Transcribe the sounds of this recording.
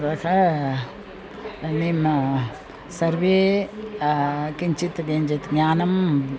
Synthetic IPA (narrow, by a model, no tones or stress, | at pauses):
ɐkʰɐ | nim | sɐɾʋeː | kiɲt͡ʃit̪ɡeɲd͡ʒet̪ɡɲaːnɐm